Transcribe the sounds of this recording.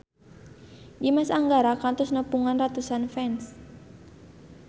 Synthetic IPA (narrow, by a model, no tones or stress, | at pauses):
dimasaŋɡaɾakant̪ʊsnəpuŋanrat̪usanfɛns